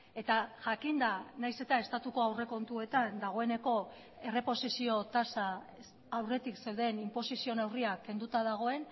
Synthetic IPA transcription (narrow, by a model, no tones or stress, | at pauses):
e̞t̪aʝakind̪anajse̞t̪ae̞st̪at̪uko̞awre̞ko̞nt̪ue̞t̪and̪aɣ̞o̞e̞ne̞ko̞ | e̞re̞po̞sisio̞t̪asaː | wre̞t̪ikse̞wðe̞nimpo̞sisio̞ne̞wriakːe̞nd̪ut̪aðaɣ̞o̞e̞n